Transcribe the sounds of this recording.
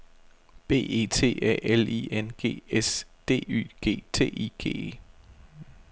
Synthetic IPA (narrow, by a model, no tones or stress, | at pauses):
b̥e̝̰ːe̝̰ːt͡sʰe̝̰ːæ̰ːelḭenɡ̥e̝̰ːesd̥e̝̰ːy̰ːɡ̥e̝̰ːt͡sʰe̝̰ːiːɡ̥e̝̰ːe